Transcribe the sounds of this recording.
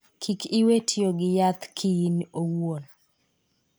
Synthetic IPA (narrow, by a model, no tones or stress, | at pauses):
kʰikiwetʰjoɡɪjat̪kʰiinowwon